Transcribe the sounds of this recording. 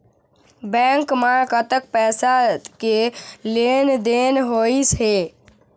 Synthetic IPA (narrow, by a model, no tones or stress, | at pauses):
bɛ̃ŋkmakət̪ək̚pɛːsakelend̪enɦoisɦe